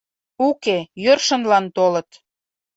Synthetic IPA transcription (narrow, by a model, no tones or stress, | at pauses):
ukejørʃənlɑnt̪olət̪